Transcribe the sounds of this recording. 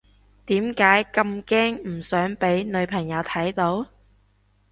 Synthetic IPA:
t̪iː˨˥mkaː˨˥jkɐ˧mkɛː˥ŋm̩˨˩sœː˨˥ŋpe˨˥jnɵ˨˧ɥpʰɐ˨˩ŋjɐ˨˧wt̪ʰɐ˨˥jt̪o˨˥w

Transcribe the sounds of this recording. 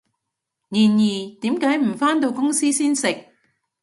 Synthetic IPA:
niː˨˩njiː˨˩t̪iː˨˥mkaː˨˥jm̩˨˩faː˥nt̪o˧wkʊ˥ŋsiː˥siː˥nsɪ˨k̚

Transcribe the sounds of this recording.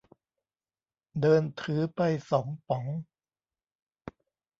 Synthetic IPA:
dɤː˧nt̪ʰɯː˩˦pa˧jsɔː˩˦ŋpɔ˨˩˦ŋ

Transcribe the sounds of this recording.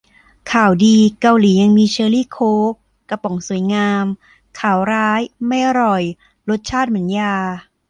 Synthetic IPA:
kʰaː˨˩wdiː˧ka˧wliː˩˦ja˧ŋmiː˧t͡ɕʰɤː˧liː˥˩kʰoː˦˥k | kːa˧pɔ˩˦ŋsu˨˩˦jŋaː˧m | kʰaː˨˩wɾaː˦˥jma˥˩jʔa˧ɾɔ˨˩j | lo˦˥t̪̚t͡ɕʰaː˥˩t̪̚mɯ˩˦njaː˧

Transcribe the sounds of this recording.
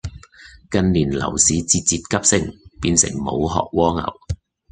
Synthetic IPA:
kɐ˧nliː˨˩nlɐ̰˨˩wsiː˨˧t͡siː˧t̚t͡siː˧t̚kɐ˥p̚sɪ˧˥ŋpiː˧nsɪ̰˨˩ŋmo˨˧wɦɔ̰ː˨k̚wɔː˥ŋɐ̰˨˩w

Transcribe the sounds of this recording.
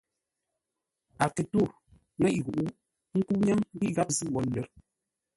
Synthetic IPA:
a˨ki˨tu˦˨ɾ | ŋɛ˦ʔi˨ɣu˨ʔu˦ | ŋ̩˦ku˦ɲa˦ŋ˦bi˦ɣa˦p̚zi˦˨wɔ˨˦n˦lə˨˦ɾ

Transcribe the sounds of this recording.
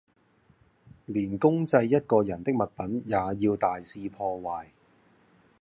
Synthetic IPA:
liː˨˩nkʊ˥ŋt͡sɐ˧jːɐ˥t̚kɔː˧jɐ˨˩nt̪ɪ˥k̚mɐ˨t̚pɐ˨˥njaː˨˧jiː˧wt̪aː˨jsiː˧pʰɔː˧waː˨˩j

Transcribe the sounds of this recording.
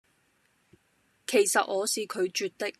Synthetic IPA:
kʰe˨˩jsɐ˨t̚ŋɔː˨˧siː˨kʰɵ˨˧ɥt͡ʃyː˨t̚t̪ɪ˥k̚

